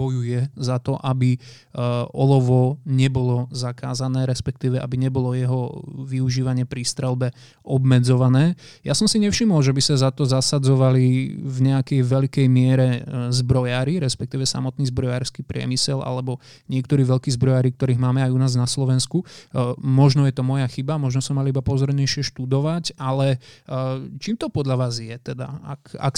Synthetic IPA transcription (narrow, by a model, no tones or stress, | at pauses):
bɔjujɛzat̪ɔʔabi | ɔlɔʋɔɲɛbɔlɔzaka̰ːzanɛːɾɛspɛk̚t̪iːʋɛʔa̰biɲɛbɔlɔjɛɦɔʋiuʒiːʋaɲɪɛpɾist̪ɾɛlˠbɛ | ʔɔbmɛd͡zɔʋanɛː | ja̰sɔmsiɲɛfʃimɔlʒɛbisazat̪ɔzasad͡zɔʋalivɲɛakɛjʋɛʎkɛjmɪɛɾɛzbɾɔjaːɾiɾɛspɛkt̪iːʋɛsa̰mɔt̪niːzbɾɔjaːɾskiːpɾɪɛ̰misɛlʔa̰lɛbɔ | ɲɪɛkt̪ɔɾiːʋɛʎkiːzbɾɔjaːɾik̚t̪ɔɾiːɣmaːmɛajunaːznaslɔʋɛnsku | mɔʒnɔjɛt̪ɔmɔjaxibamɔʒnɔsɔmaliibapɔzɔɾɲɛʃɪɛʃt̪ud̪ɔʋacalɛ | t͡ʃiːmt̪ɔpɔd̪ʎaʋaːzjɛt̪ɛd̪a̰a̰ka̰k